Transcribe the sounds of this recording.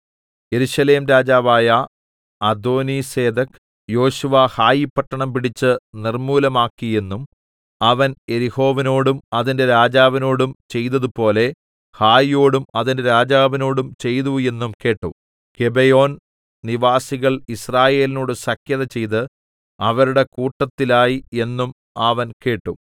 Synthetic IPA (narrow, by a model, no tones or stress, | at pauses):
je̞ɾuʂɐle̞ːmɾaːd͡ʑaːʋaːjɐː | d̪o̞ːnise̞ːd̪ɐk | jo̞ːɕuʋɐhaːjipːɐʈːɐɳɐmpiɽit͡ɕːɨnirmuːlɐmaːkːie̞nːum | ɐʋɐnje̞ɾiho̞ːʋino̞ːɽumɐðinde̞ɾaːd͡ʑaːʋino̞ːɽumt͡ɕe̞jt̪ɐðupo̞ːle̞ | haːjijo̞ːɽumɐðindeɾaːd͡ʑaːʋino̞ːɽumt͡ɕe̞jt̪ue̞nːumke̞ːʈːṵ | kebejo̞ːn | niʋaːsiɣɐɭisraːje̞ːlinoːɽɨsɐkjɐðɐt͡ɕe̞jt̪ɨ | ɐʋɐɾuɽe̞kuːʈːɐt̪ːilaːjie̞nːum | ɐʋɐnke̞ːʈːṵ